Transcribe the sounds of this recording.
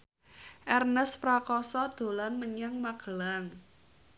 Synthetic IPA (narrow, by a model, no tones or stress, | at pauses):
ʔɛrnəspɾakɔsɔd̪̥o̤lanməɲaŋmaɡ̥əlaŋ